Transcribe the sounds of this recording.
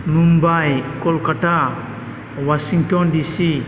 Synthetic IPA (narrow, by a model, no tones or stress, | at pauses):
numbajkɔlkaʈa | wasiŋʈɔndisi